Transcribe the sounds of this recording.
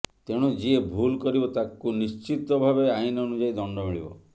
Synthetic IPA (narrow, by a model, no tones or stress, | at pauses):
t̪eɽ̃ud͡ʒiebʱulkɔɾibɔt̪akunist͡ʃit̪ɔbʱabeainɔnud͡ʒaid̪ɔɳɖɔmiɭḭbɔ̰